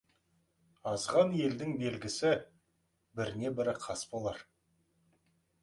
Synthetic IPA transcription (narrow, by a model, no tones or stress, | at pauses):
ɑzʁɑnje̞ld̪ɪŋbe̞lɡʲɪsɪ | bɪɾɪne̞bɪɾɪqʰɑsbo̞lˠɑɾ